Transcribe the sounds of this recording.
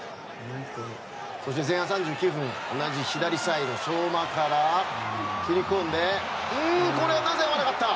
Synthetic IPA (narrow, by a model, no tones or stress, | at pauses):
so̞ɕ̬it̪e̞zẽ̞hãsãɲ̟d͡ʑɨːkʲɯːɸɯ̟̃ŋ̃o̞naʑiɕid̪aɾʲisaid̪o̞soːmakaɾa | kʲiɾʲikõ̞nd̪e̞ɯ̃ko̞ɾe̞anaze̞joβaɾakat̪ːa